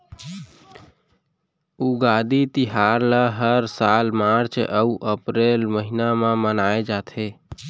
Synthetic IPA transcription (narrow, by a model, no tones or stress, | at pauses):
uɡad̪it̪iɦaɾləɦəɾsalmaɾt͡ʃʔəuʔəpɾelməɦinamẽmənaed͡ʒat̪ʰe